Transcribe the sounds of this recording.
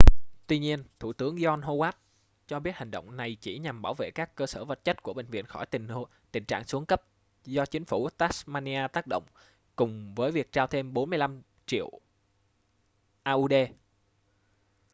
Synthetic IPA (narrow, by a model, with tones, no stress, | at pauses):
t̪wi˧ɲi˧ənt̪ʰṵ˧˩t̪ɨ˨˦əŋzɔ˧nɦo˧waː˦˥t̚ | t͡ɕɔ˧ɓi˦˥t̚ha˨˩ŋ̟ɗə̰˧˨wŋ͡mna˨˩jt͡ɕi˧˩ɲa˨˩mɓaː˧˩wvḛ˧˨kaː˦˥kkəː˧səː˧˩və˨˩t̚t͡ɕə˦˥t̚ku˧˩əɓë˧˨ŋvḭ˧˨ənxɔ˧˩jt̪ï˨˩ŋ̟˧ | t̪ï˨˩ŋ̟t͡ɕa̰ː˧˨ŋsu˨˦əŋkə˦˥p̚ | zɔ˧t͡ɕï˨˦ŋ̟fu˧˩t̪aː˦˥smaː˧ni˧ʔaː˧t̪aː˦˥k̚ɗo̰˧˨wŋ͡m | kʊ˨˩ŋ͡mvəː˨˦jvi˨˩ək̚t͡ɕaː˧wt̪ʰe˧mɓo˨˦nmɨ˧əjla˧m | t͡ɕḭ˧˨əw | ʔaː˧ʔu˧ɗe˧